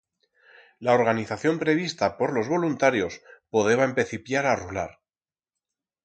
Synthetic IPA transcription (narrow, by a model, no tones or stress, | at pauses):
lao̞ɾɣaniθaθjo̞mpɾe̞β̞ist̪apo̞ɾlo̞zβo̞lunt̪aɾjo̞spoðe̞βaempe̞θipjaɾarula̰ɾ